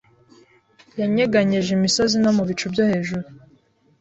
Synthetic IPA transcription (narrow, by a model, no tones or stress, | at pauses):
jaɲeɡaɲeʒimiso̞zinomuβit͡ʃubɟohe̞ːʒuɾu